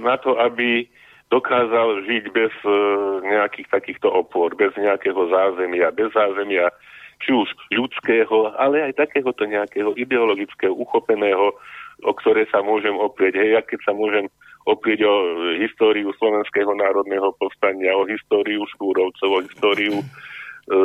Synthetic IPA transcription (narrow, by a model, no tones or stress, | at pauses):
nat̪ɔʔabi | d̪ɔkaːzalʒiɟbɛzɲɛakiːxt̪akiːxt̪ɔʔɔpʊɔɾbɛzɲɛakɛːɦɔzaːzɛmɪabɛzːaːzɛmɪa | t͡ʃiuʒʎut͡skɛːɦɔalɛajt̪akɛːɦɔt̪ɔɲɛakɛːɦɔʔid̪ɛɔlɔɡit͡skɛːɦɔuxɔpɛnɛːɦɔɔkt̪ɔɾɛːjsamʊɔʒɛmɔpɾɪɛɟɦɛjjakɛcsamʊɔʒɛm | ɔpɾɪɛɟɔɦist̪ɔːɾiuslɔʋɛnskɛːɦɔnaːɾɔd̪nɛːɦɔpɔst̪aɲɪaɔɦist̪ɔːɾiuʃkuːɾɔʊt͡sɔʊɔɦist̪ɔːɾiu